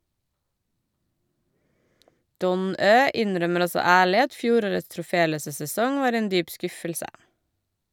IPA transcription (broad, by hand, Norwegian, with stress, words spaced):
ˈdɔn ˈøː ˈɪnˌɾœməɾ ˈɔsɔ ˈæːɭɪ ˈɑt ˈfjuːˌɾoːɹəts tɹʊˈfeːˌløːsə sɛˈsɔŋ ˈʋɑːɾ ˈeːn ˈdyːp ˈskʉfəlsə